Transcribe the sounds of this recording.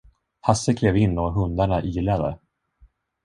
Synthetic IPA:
hasːəkʰlɛːvɪnːɔɦɵnd̪aɳaʔiːlad̪ə̰

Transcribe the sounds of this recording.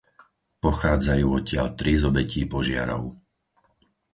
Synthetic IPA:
pɔxaːd͡zajuːɔcɪaʎt̪ɾizɔbɛciːpɔʒɪa̰ɾɔ̰ʊ

